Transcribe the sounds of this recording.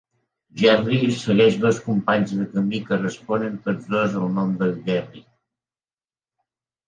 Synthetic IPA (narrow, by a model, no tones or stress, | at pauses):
ʒɛrisəɣɛʃβəlˠskumpaɲzðəkəmikərəspɔnənt̪od͡zd̪ozəlˠnomd̪əlʒɛri